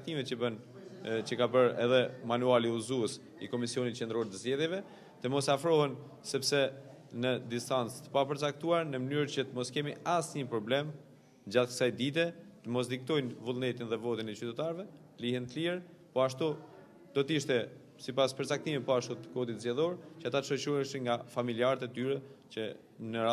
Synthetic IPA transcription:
t̪imɛt̪t͡ʃəbən | t͡ɕəkabəɾɛ̰ðɛmanualiuzuəs | ḭkɔmisiɔnit̪t͡ʃɛnd̪ɾɔɾt̪əzd͡ʑɛðjɛvɛ | t̪əmɔsafɾɔɦɛn | sɛpsɛ | nəd̪ist̪ant͡st̪ə̥papəɾt͡sak̚t̪uaɾnəmənyɾt͡ɕət̪əmɔskɛmiasɲəpɾɔblɛm | d͡ʑat̪kə̥sajd̪it̪̬ɛt̪əmɔs̬d̪ik̚t̪ɔjnvulˠnɛt̪inðɛvɔt̪inɛt͡ɕyt̪ɛt̪aɾvɛt̪əlihɛnt̪əliɛɾ | pɔaʃt̪u | d̪̥ɔt̪iʃt̪ɛ | sipaspəɾt͡sak̚t̪imit̪pɔaʃut̪ə̥kɔd̪it̪zjɛðɔɾt͡ɕəat̪at̪ʃɔʃuɛʃəŋɡafamiliaɾt̪ɛt̪yɾɛt͡ɕə | nəɾa

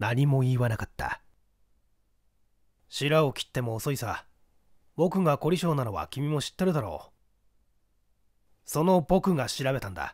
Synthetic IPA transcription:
naɲ̟imo̞iːβanakat̪ːa̰ | ɕiɾao̞kʲi̥t̪ːe̞mo̞ːso̞isa | bo̞kɯ̟ŋako̞ɾʲiɕo̞ːnano̞βa̰kʲimʲimo̞ɕi̥t̪ːe̞ɾɯd̪aɾo̞̰ː | so̞no̞bo̞kɯ̟ŋaɕiɾabe̞t̪ãnd̪a̰

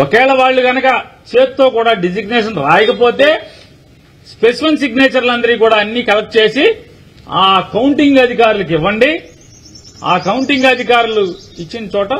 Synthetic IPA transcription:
ɔkɛːlɐʋaːɭːuɡɐnɐkɐt͡ʃeːt̪t̪ːo̞ːkuːɽaːɖid͡ʒiɡneːʂɐnɾaːjɐkɐpo̞ːt̪e̞ː | spesimenʈsiɡneːt͡ʃɐɾlɐnd̪ɐɾikuːɽaːɐnːiːkɐlɐk̚ʈ̚t͡ʃe̞ːsi | aːkɐwɳʈiŋɡɐd̪ʱikaːɾulɐk̬iʋːɐɳɖi | aːkɐwɳʈiŋɡɐd̪ʱikaːɾuluit͡ʃːinɐt͡ʃɔːʈɐ

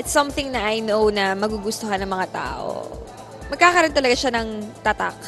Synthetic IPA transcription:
ʔɪt̪sːɐmθɪŋnɐʔajnownɐmɐɡuɡʊst̪ohanɐŋmɐŋat̪a̰ːʔo̰ | mɐɡ̚kaːkɐɾont̪ɐlɐɡaʃanɐŋt̪ɐt̪a̰k̚

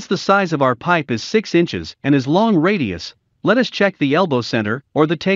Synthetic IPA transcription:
nsðəsaɪzʌvaʊə˞pʰaɪpɨz̥sɪksɪ̃nt͡ʃɨ̰zɨ̃ñɨzlɔ̃ŋɹeɪɾiɨ̰s | lɛɾʌst͡ʃʰɛk̚ðiɛlˠboʊsɛ̃ɾ̃ə˞ə˞ðɨtʰeɪ

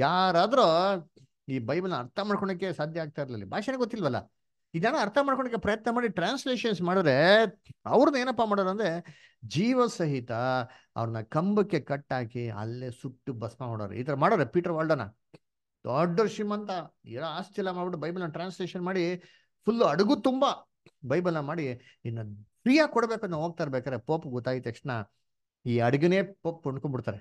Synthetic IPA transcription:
jaːɾaːd̪ɐɾo | iːbɐjbiɐlnɐɐɾt̪ʰɐmaːɽkɔɳɐkːesaːd̪ʱjɐaːɡ̚t̪aːjiɾɐlɐlːḭbʱaːʂɐneɡot̪ːilʋɐlːɐ̰ | iɡnaːnuɐɾt̪ʰɐmaːɽkɔɳɖɐk̬ːepɾɐjɐt̪nɐmaːɽiʈɾaːnsleːʃɐns̬maːɽid̪ɾe̞ | ɐ̰ʋɾɐnueːnɐpːamaːɽoɾɐnd̪ɾe | d͡ʒiːʋɐsɐɦit̪ɐ | ɐ̰ʋɾɐnɐkɐmbɐkːe̞kɐʈːaːkiɐ̰lːesukʈːubɐsmamoːɽɐ̰ːɾḛḭːt̪ɐɾɐmaːɽoːɾepiːʈɐɾʋaːɭɖɐnɐ̰ | d̪ɔɖːɐɾʃimɐnt̪ɐɛlaaːst͡ʃɛlːɐmaːɽbiʈ̬ːubɐjbilɐnɐʈɾaːnsleːʃɐnmaːɽi | pʰulːɐɽɐɡut̪umbɐ | bɐjbɐlnɐmaːɽi | inːɐpɾijaːkɔɽbeːkɐnɐɦo̞ːɡ̚t̪aːɾbeːkad̪ɾepoːpːɡɔt̪ːaːɡit̪ːɐkʂʈɐna | iːɐɽɐɡɐneːpoːp̚ːkoɳɖkoɳbiɽt̪aːɾe

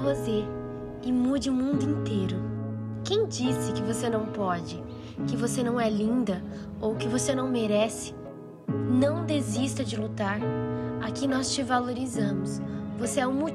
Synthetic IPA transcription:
vozeɾ | ɪmud͡ʒɪũmũnd̪ʊĩnt̪ejɾʊ | kẽj̃d͡ʒisɪkɪvosenɐ̃w̃pɔd͡ʒɪ | kɪvosenɐ̃w̃ɛlĩnd̪ɐ | owkɪvosenɐ̃w̃meɾɛsɪ̥ | nɐ̃w̃d̪ezist̪ɐd͡ʒɪlut̪aɾakɪnɔst͡ʃɪvaloɾizɐ̃mʊsvoseɛũmu

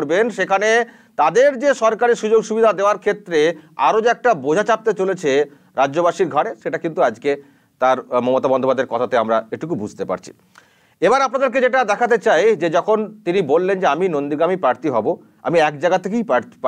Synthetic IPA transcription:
ɾbenʃekʰane | t̪ad̪eɾd͡ʑeʃɔɾkaɾeʃud͡ʑoɡʃubid̪ʱad̪eoaɾkʰet̪ːɾea̰ɾod͡ʑeɛk̚ʈabod͡ʑʱat͡ɕap̚t̪et͡ɕolet͡ɕʰe | ɾad͡ʑʑobaʃiɾɡʱaɽeʃeʈakint̪uad͡ʑke | t̪aɾmɔmot̪abɔnd̪opad̪ʱːeɾkɔt̪ʰat̪eamɾaeʈukubud͡ʑʱt̪epa̰ɾt͡ɕʰi̥̰ | ebaɾapnad̪eɾk̬ed͡ʑeʈad̪ɛkʰat̪et͡ɕajd͡ʑed͡ʑɔkʰont̪inibolːend͡ʑeaminond̪iɡɾamipɾaɾt̪iɦɔbo | a̰miɛkd͡ʑaɡat̪ʰːek̬eijpaɾt̪i̥

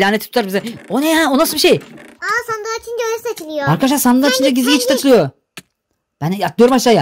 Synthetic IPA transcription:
lʲaːnei̥t̪ʰut̪ʰaɾbizɛonehæonasɯbiʃejasand̪at͡ʃʰinɟøɾsat͡ʃʰilʲˠijoaɾkad̪aʃlˠaɾsand̪ait͡ʃʰind͡ʒ̪aɟiziɟit͡ʃt̪ʰat̪ʰɯlˠɯjo | b̥ænak̪lijoɾumhat͡ʃlˠaja

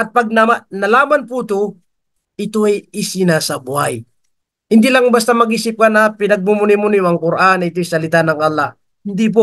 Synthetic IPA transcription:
ʔɐt̪̚paɡ̚namanɐlaːmanput̪o | ʔɪt̪oʔajisɪnasɐbʊhaj | hɪnd̪ilaŋbast̪amɐɡiːsɪp̚kanɐpɪnɐɡ̚mʊmʊnɪmʊnɪjɐŋkʊɾʔanɪt̪ojsɐlɪt̪anɐŋɐlˠːah | hɪnd̪ip̬o

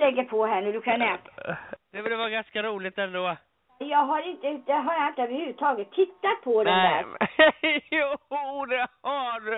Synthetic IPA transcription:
lɛŋkːəpʰɔɦæːɳʉːdʉkʰanːɛmt̪d̪̥ɛvœːɾəvɑːɡanskaɾuːlɪt̪ɛnd̪oː | jɑːɡɦaɾɪnt̪əɪt̪əɦajɪnt̪əøːvəɾhʉːvət̪ʰɑːɡət̪ʰːɪt̪ːat̪̚pʰɔd̪ɛnd̪æ̰ːɾ | ud̪ɛaɖ

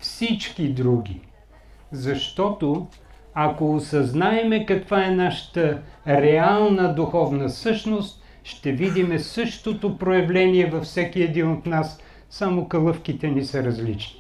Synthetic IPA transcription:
fsit͡ʃkid̪ɾuɡʲḭ | zɐʃt̪ɔt̪o | ɐkoːsɐznaɛmɛkɐkvaɛnaʃə̥t̪əɾɛalˠnəd̪uxɔvnəsɤʃnost̪̚ | ʃt̪ɛvid̪imɛsɤʃt̪ot̪opɾojɐvlɛniɛvɐfsɛkiɛd̪inot̪nasː | amokɐlˠɤfkit̪ɛnisɐɾɐzlit͡ʃni̥

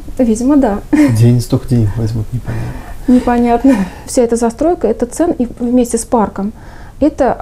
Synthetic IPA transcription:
vʲidʲɪməd̪adʲenʲɪst̪oxdʲenʲvɐzʲmʲut̪nʲɪpɐnʲa̰t̪nənʲɪpɐnʲat̪nəfsʲaɛt̪əzɐst̪ɾo̞jkəɛt̪ət̪sɛnivmʲesʲtʲɪsparkəm | ɛt̪ə

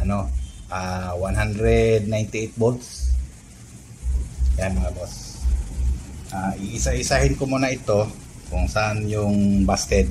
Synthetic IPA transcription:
ʔɐno̞ʔawanɦand̪ɾɛd̪̚najnt̪ɪʔejt̪̚bold̪s | janmŋabos | ʔaʔɪʔsaʔɪsahɪnkomunɐʔɪt̪o̞ | kʊŋsaʔanjʊŋbaskɛt̪̚

